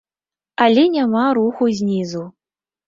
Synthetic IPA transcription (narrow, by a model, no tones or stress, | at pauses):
alʲɛnʲamaɾuxuzʲnʲizu